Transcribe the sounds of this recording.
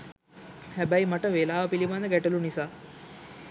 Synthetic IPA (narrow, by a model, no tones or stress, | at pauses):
hæbæimɐʈəʋelaːʋəpiliband̪əɡæʈəlunisaː